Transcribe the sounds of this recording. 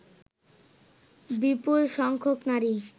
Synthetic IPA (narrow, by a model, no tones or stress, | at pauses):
bipulʃɔŋkʰoknaɾi